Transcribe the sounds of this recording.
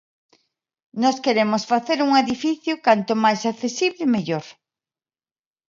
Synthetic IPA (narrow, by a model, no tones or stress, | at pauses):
nɔskeɾemosfaθeɾuŋeðifiθjʊkant̪omajsakθesiβlɪmeʎoɾ